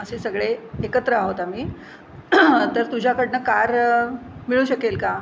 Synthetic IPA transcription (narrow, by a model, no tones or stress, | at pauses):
əsesəɡɭeekət̪ɾəaɦot̪amiː | t̪əɾt̪ud͡ʑʱjakəɽnəkaɾ | miɭuːɕəkelka